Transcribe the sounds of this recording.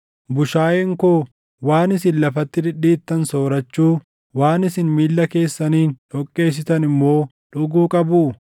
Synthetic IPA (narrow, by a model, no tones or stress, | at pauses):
bʊʃaːjeŋkoː | waːnɪsɪnlɐfɐt̪ːɪd̪ɪᶑiːt̪ːɐnso̞ːɾɐt͡ʃːuː | waːnɪsɪnmiːlːɐke̞ːsːɐniːnᶑɔkʼːe̞ːs̬ɪt̪ɐnɪmːo̞ː | ᶑʊɡuːkʼɐbuː